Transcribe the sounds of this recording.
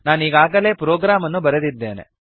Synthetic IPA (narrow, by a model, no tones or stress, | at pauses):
naːniːɡaːɡɐle̞ːpɾoːɡɾaːmɐnːubɐɾed̪id̪ːe̞ːnḛ